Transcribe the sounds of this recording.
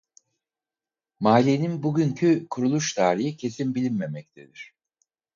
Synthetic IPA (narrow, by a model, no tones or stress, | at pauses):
maːlʲeninbuɟyɲcʰykʰuɾulˠuʃt̪ʰaːɾijicʰe̞sinbilʲinme̞mɛc̚t̪ʰe̞d̪iɾ̝̥